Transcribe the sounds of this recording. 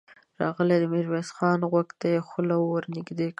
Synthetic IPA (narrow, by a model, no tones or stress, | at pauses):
ɾɑ̰ɣəled̪əmɪɾwesxɑnɣwaɡt̪ajexəlawəɾnɪɡd̪ek